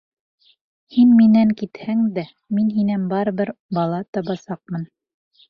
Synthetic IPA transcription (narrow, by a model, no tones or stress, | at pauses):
hinminæŋkit̪hæŋd̪æ | minɦinænbɑɾɤ̆βɘɾbɑlˠɑt̪ɑβɑsɑq̚mɤn